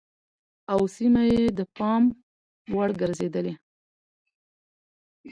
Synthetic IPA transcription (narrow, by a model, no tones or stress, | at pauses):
awsimajed̪əpɑm | waɽɡəɾzed̪əle